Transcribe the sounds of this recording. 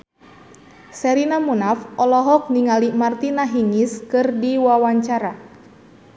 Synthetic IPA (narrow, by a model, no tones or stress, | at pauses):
sɛɾinamunafʔɔlɔɦɔk̚niŋalimart̪inaɦiŋiskɨrdiwawaɲt͡ʃaɾa